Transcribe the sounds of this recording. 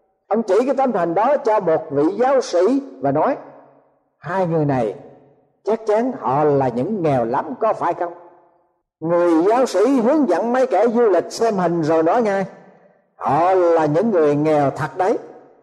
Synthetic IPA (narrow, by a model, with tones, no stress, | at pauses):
ʔə˧wŋ͡mt͡ɕi˧˩kaː˨˦jt̪ə˧mt̪ʰə˨˩ŋ̟ɗɔ˨˦t͡ɕɔ˧mo˨˩t̚vḭ˧˨zaː˨˦wsḭ˧˩˥vaː˨˩nɔ˨˦j | haː˧jŋɨ˨˩əjna˨˩j | t͡ɕa˦˥k̚t͡ɕa˨˦ŋhɔ̰˧˨laː˨˩ɲɨ̰˧˥ŋːɛ˨˩wla˨˦mkɔ˨˦faː˧˩jxə˧wŋ͡m | ŋɨ˨˩əjzaː˨˦wsḭ˧˩˥ɦɨ˨˦əŋzə̰˧˥nmə˨˦jke˧˩zu˧lï˨˩k̟̚sɛ˧mhï˨˩ŋ̟zo˨˩jnɔ˨˦jŋaː˧j | hɔ̰˧˨laː˨˩ɲɨ̰˧˥ŋːɨ˨˩əjŋɛ˨˩wt̪ʰə˨˩t̚ɗə˨˦j